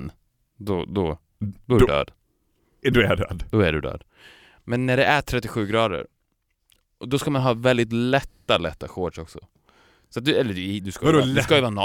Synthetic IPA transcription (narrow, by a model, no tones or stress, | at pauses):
n | d̪ɔd̪ɔ | d̪ɔɖø̰ːd̪̥ | d̪ɔɛɖœ̰ːd̪d̪ɔæɖɵd̪ø̰ːd̪ | mɛnːæɖɛʔæʈʰɾɛt̪ːɪɧʉ̟ːɡɾɑːd̪ə̰ɾ | ʔɔd̪ɔskamanɦɑːvɛld̪ɪt̪lɛt̪ːalɛt̪ːakoːɖʂɔksɔ̰ | sat̪̚d̪ɵɛlːəɖd̪ɵskad̪skajəvɑːn